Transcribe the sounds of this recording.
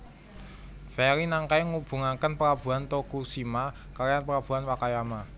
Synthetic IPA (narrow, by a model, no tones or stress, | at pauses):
fɛɾinaŋkaeŋub̥ṳŋakənpəɾab̥ṳant̪okusima | kaɾjanpəɾab̥ṳanwakajama